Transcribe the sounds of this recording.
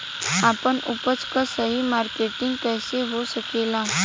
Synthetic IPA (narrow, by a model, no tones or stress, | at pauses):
apəɳupət͡skasəɦimaɾkeʈĩŋɡkɛːseɦosəkela